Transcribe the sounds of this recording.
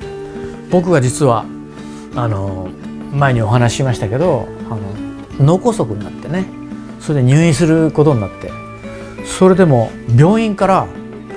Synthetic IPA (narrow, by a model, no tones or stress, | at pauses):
b̥o̞k̬ɯ̟ɡad͡ʑit͡sɨβa | ano̞mae̞ɲ̟io̞ɦanaɕi̥ɕimaɕi̥t̪ake̞d̪o̞ano̞̰ | no̞ko̞so̞kɯ̟ɲinat̪ːe̞ne̞ | so̞ɾed̪e̞ɲ̟ɨːĩs̬ɨɾɯ̟ko̞t̪o̞ɲnat̪ːe̞̰ | so̞ɾe̞d̪e̞mo̞ | bʲjo̞ːĩŋkaɾa